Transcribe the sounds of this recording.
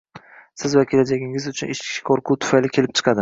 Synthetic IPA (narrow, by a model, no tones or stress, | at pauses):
sɪzvakʲʰelad͡ʒaɡʲɪŋɪzʊt͡ʃʰʊnʔeʃkʲʰɪ̥kʰoɾqʰʊt̪ʰʊ̥fajlɪkʲʰelɪp̚t͡ʃʰɨ̥qʰɑd̪ɪ